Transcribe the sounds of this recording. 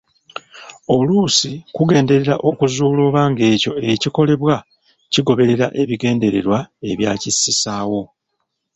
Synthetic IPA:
o̞luːsikuɡe̞ːnde̞ɾe̞ɾaʔo̞kuzuːlo̞ːβaːŋɡe̞ːco̞e̞ciko̞le̞βwa | ciɡo̞βe̞ɾe̞ɾaʔe̞βiɡe̞ːnde̞ɾe̞ɾwae̞βjaːcisisaːwo̞

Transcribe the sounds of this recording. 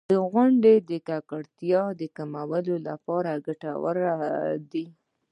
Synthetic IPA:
d̪əɣwaɳɖed̪əkakaɽt̪jɑd̪əkamawəlola̰pɑɾaɡaʈa̰wə̰ɾad̪i

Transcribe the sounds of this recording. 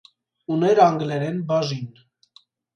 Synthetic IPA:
unɛɾɑŋɡlɛɾɛnbɑʒin

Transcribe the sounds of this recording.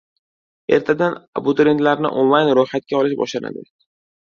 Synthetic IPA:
e̞ɾt̪ʰad̪ana̰bʊt̪ʊɾent̪laɾnɪ̰ʔonlˠajnɾojχat̪̚kʲaɒlɪʃbɒ̰ʃlana̰d̪ɪ̰

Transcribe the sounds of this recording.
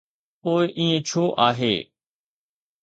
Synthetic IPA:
poːɪʔĩːẽt͡ʃʰoːʔaːɦḛː

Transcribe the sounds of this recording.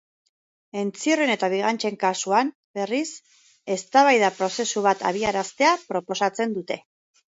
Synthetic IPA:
e̞nt͡siorene̞t̪aβ̞iɣ̞ant͡ʃe̞ŋkasuam | be̞ris | e̞st̪aβajðapɾo̞se̞suβ̞at̪a̰β̞iaɾast̪e̞apɾo̞po̞sat͡se̞nd̪ut̪e̞

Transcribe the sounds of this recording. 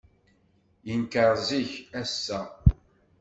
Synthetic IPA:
jənkəɾˤziçæsːæ

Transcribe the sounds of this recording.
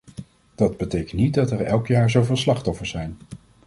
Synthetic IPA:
d̥ɑdbətejkəntnit̚dɑtɛɹɛlˠkjaːɹzowvɪːlˠslɑχtɔfəɹszɛjn

